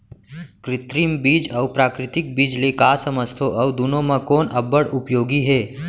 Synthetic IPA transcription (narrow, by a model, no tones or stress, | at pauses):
kɾɪt̪ɾiːmbiːd͡ʒɐʋpɾaːkɾɪt̪ɪk̚biːd͡ʒlekaːsəməst̪ʰoʔɐwd̪unõmɐ̃koːnʔɐbːəɽʊpjoːɡiɦɛː